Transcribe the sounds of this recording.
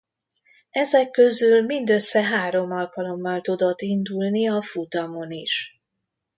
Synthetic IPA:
ɛzɛkːø̞zylmind̪ø̞sːɛɦaːɾo̞mɒlkɒlo̞mːɒlt̪ud̪o̞t̪ːind̪ulniɒfut̪ɒmo̞niʃ

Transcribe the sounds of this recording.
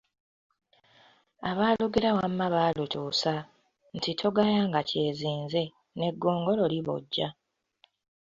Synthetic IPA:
aβaːluɡeɾawamːaβalutʰuːsa | n̩titʰo̞ɡajaːŋɡace̞ːziːnze̞ | ne̞ɡːo̞ːŋɡo̞lo̞liβo̰ɟːa

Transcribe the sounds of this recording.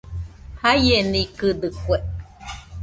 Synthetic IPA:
hajenikɨd̪ɨkʷeʔ

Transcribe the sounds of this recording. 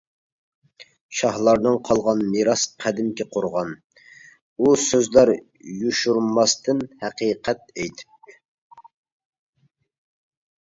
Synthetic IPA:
ʃɑhlˠɑɾnɨŋqʰɑlˠʁɑnmiɾɑsqʰæd̪ɪmkʲɛqʰoɾʁɑn | usøzlæɾ | juʃuɾmɑst̪ʰɨnhæqiqʰɛt̪̚ɛjt̪ʰɪ

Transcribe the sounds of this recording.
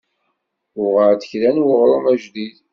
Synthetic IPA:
ʊʁəʕt̪ə̥çlænwəʁɾˤomæʒðið

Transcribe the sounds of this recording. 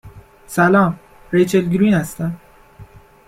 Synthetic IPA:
sælɒːm | ɾejt͡ʃʰeld̪ɡɾiːnhæst̪æn

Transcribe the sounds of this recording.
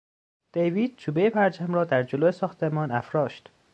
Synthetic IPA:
d̪̥ejviːd̪̥̚t͡ʃʰuːbejepʰæɾt͡ʃæmrɒːd̪æɾd͡ʒoloːesɒːxt̪ʰe̞mɒːnæfɾɒːʃt̪

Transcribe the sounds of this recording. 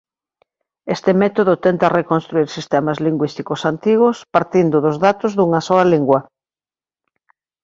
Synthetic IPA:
est̪emɛt̪oðʊt̪ɛnt̪ɐrekonst̪ɾuiɾsist̪ɛmazliŋɡwist̪ikosant̪iɣʊspaɾt̪ind̪ʊðʊzðat̪ozðuŋasɔɐliŋɡwɐ

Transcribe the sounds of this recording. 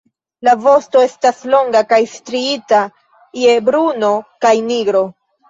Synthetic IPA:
lavo̞sto̞e̞staslo̞ŋɡakajstɾiita | je̞bɾuno̞kajniɡɾo̞

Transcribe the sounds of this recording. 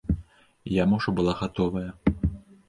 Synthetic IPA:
jamɔʐɐbɨlˠaɣat̪ɔvɐjɐ

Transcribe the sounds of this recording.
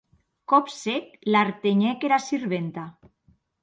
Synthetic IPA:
kɔpsek̚laɾt̪eɲɛkeɾasiɾβent̪a

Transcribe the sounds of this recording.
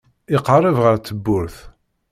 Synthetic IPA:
ɪqrˤəvʁəɾt͡sːəbːʊɾθ

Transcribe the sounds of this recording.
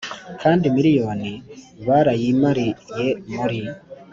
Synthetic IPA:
kʰaːndimiɾijoːni | βaɾajimaɾijemoɾi

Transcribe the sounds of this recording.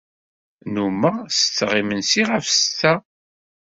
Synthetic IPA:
numəʁsət͡sːʁimənsiʁəfst̪ːæ

